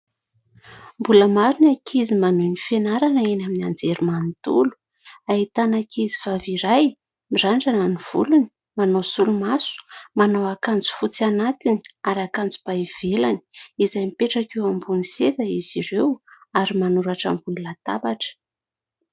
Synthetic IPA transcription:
mbuləmaɾinakʰizimanunifenaɾanəenaminiand͡zeɾumant̪ṵlu̥ | aɦit̪anakizivaviɾaj | miraɳɖ͡ʐananiv̥ṵluni̥ | manosulumasu̥manawakand͡zu̥fut͡sianat̪iniaɾakand͡zu̥baiv̥elani̥izajmipeʈ͡ʂakewambuniset̪əiziɾewaɾimanuɾaʈ͡ʂa̰mbunilat̪a̰baʈ͡ʂə̥

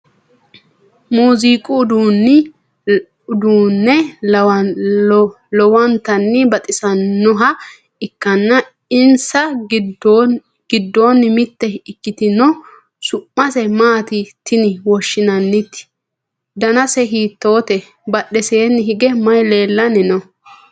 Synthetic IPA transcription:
muːziːkʼʊːd̪uːnː | ʊd̪uːnːɛ | lɔwɐnt̪ɐnːɪbɐt̪ʼɪsɐnːɔɦɐ | ɪkːɐnːɐ | ɪnsɐ | ɡ̥ɪd̪ːo̞ːnːɪmɪt̪ːɛɪkːɪt̪ɪnɔ | sʊpːɐsɛmaːt̪ɪt̪ːɪnɪwɔʃːɪnɐnːɪt̪ːɪ̥ | d̪ɐnɐsɛɦiːt̪ːo̞ːt̪ɛ | bɐɗɛse̞ːnːɪɦɪɡɛmɐjle̞ːlːɐnɪnɔ

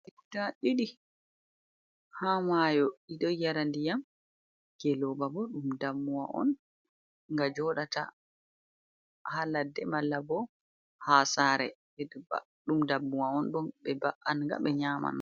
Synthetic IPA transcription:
itaɗiɗi | hamajɔiɗɔjaɾandijam | ɡ̥ɛlɔbabɔɗumdamːuwa̰ʔɔ̰n | ŋɡad͡ʒɔɗata̰ | haladɛmalːabɔ | hasaɾɛbɛduba̰ | ɗumdabːuwaɔnbɔnɓɛbaʔanŋɡa̰ɓɛɲaːma̰n

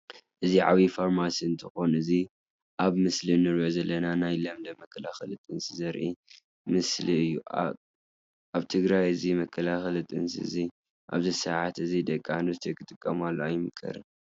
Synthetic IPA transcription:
ʔɨziʕa̰βifoɾmasiɨnt̪ʰɐxo̞nɨzi | ʔaβmɨslinɨɾʔozɐlːɐnanajlɐmd̪ɐmɐkʰːɐlaxɐlɨt̪ʼɨnsizɐɾʔi | mɨsliɨjːu | ʔaβt̪ʰɨɡɾajɨzimɐkʰːɐlaxɐlt̪ʼɨ̰nsḭɨ̰zi | ʔa̰βzɐsɐʕat̪ɨzid̪ɐkʼːand̪ust̪ʰekʰɨt̪ʼɨkʼːɐmalːoajɪmɨkʰɐ̰ɾɨ̰

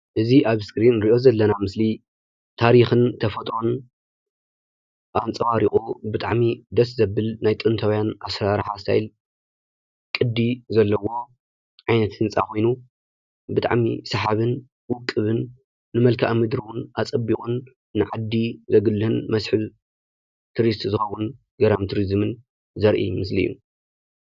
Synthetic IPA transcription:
ʔɨziʔaβskɾinɾiʔo̞zɐlːɐnamɨsli | t̪ʰaɾixɨnt̪ʰɐfɐt̪ʼɾon | ʔant͡sʼɐwaɾiχʼubɨt̪ʼa̰ʕmid̪ɐszɐbːɨlnajt̪ʼɨnt̪ʰɐwjana̰sɾaɾħasʰa̰jl | kʼɨd̪ːizɐlːɐwo̞ | ʕajnɐt̪hɨnt͡sʼa̰kʰo̞jnu | bɨt̪ʼa̰ʕmḭsɐħaβɨn | wʊkʼːɨβɨnː | ɨmɐlkʰaʔmɨd̪ɾiwʊnʔat͡sʼɐbikʼunː | ɨʕad̪ːizɐɡɨlːɨhɨnmɐsħɨ | t̪ʰɾist̪ʼzɨxɐwːʊn | ɡɐɾamt̪ʰɨɾizmɨn | zɐɾʔḭmɨslḭjːṵ

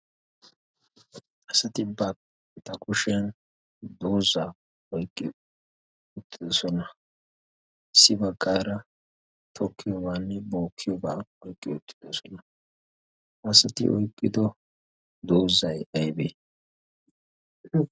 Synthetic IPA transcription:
ɐsɐt̪ɪbːɐ | t̪ɐkʊʃɛn | d̪oːza | ɔjkʼːɪ̰ | ʊt̪ʼːɪd̪ɔsɔnɐ | sɪbɐɡːaːɾɐ | t̪ʰɔkʰːɪjɔbaːnːɛbo̞ːkʰːɪjɔbaːɔjkʼːɪʊt̪ʼːɪ̥d̪ɔsɔnɐ | ʔɐsɐt̪ɪ̰ʔɔ̰jkʼːɪd̪ɔ | d̪oːzɐjɐjbe

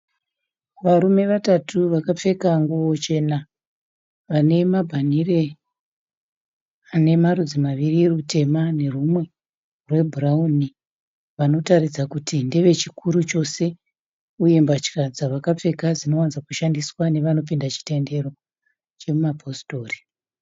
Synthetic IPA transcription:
ʋaɾume̞ʋatatʰuʋakap͡fe̞kaŋɡuwo̞t͡ʃe̞na | ʋane̞mabʱanire̞ | ane̞marud͡zimaʋirirute̞mane̞rumwe̞ | rwe̞bʱurauni | ʋano̞tarid͡zakutʰindeʋe̞t͡ʃikuɾut͡ʃo̞se̞ | uje̞mbat͡ʃi̥kad͡zaʋakap͡fe̞kad͡zino̞wanzakuʃandiswane̞ʋano̞p̬indat͡ʃi̥te̞nde̞ɾo̞ | t͡ʃe̞mumapʰo̞sto̞ːri̥

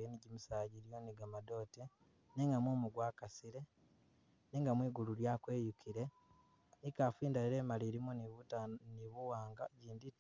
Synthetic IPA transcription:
jeniɟimusaːɟiɾio̞niɡamado̞ːte | neŋɡamwumuɡwaːkasiɾe̞ | neŋɡamwiːɡuluɾjaːkwe̞ːjukʰiɾe̞ | nikafiːndaɾiɾe̞ːmaliɾimuniβutaniβuwaːŋɡaɟiːndit

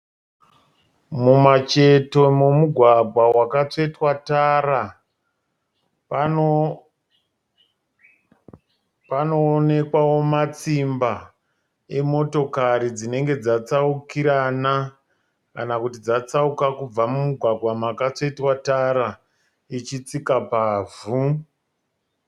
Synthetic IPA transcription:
mumat͡ʃe̞to̞momuɡʱwaɡʱwawakat͡ʂe̞twataːra | po | panoːne̞kwawo̞mat͡simba | e̞mo̞to̞kaɾid͡zine̞ŋɡe̞d͡zat͡saukiɾana | kanakutid͡zat͡saukakub͡vamumuɡʱwaɡʱwamakat͡ʂetwataɾa | it͡ʃit͡sikapaːvu

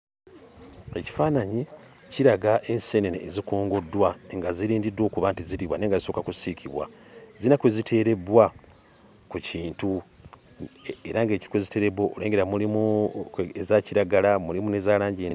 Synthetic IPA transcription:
e̞ci̥faːnaɲi | ciɾaɡaʔe̞nse̞neneːzikoːŋɡodːwaŋɡaziɾiːndidːo̞ːkuβaːntiziɾiβwane̞ːŋɡaziso̞kakusikʰiβwa̰ | zinakwezitʰe̞ːɾe̞bwa | kuciːntu | ḛɾaŋɡe̞ːci̥kwezite̞ɾe̞bwooleːŋɡe̞ɾamulimu | ezaciɾaɡalamulimunezaːlaːɲɟe

